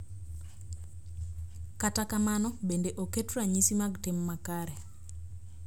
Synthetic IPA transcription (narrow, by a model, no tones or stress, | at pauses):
katakamanɔbendeʔoketɾaɲisimaɡtemːakaɾɛ